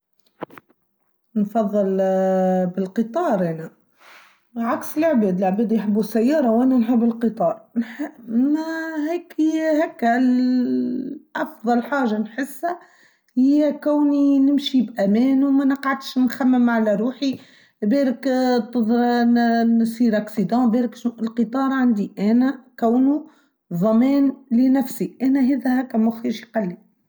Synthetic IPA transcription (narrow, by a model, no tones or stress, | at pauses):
nfɑðˤːɨl | bɪlqɨt̪ˤɑːɾˤʔæːnæ | ʕaksəlʕbɛːd̪ələʕbæːd̪jħəbːusæjːɑːɾˤɑwʔænænħɪbːəlqɨt̪ˤɑːɾˤnħ | hɛːkhɛːkː | ʔɑfðˤɑlħaːʒanħɪsːæ | hɪjːækæwninɪmʃibʔæmɛːnumænəqʕad̪ʃnxæmːɪmʕalæɾuːħi | bɛːɾɪkt̪ɨðˤɾnsiːɾʔaksid̪ɑ̃bɛːɾɪkʃnuʔɪlqɨt̪ˤɑːɾˤʕand̪iʔæːnækæwnu | ðˤɑmɛːnlɪnæfsiʔæːnæɦɛːðæhækːæmʊxiːʃiqɑlːi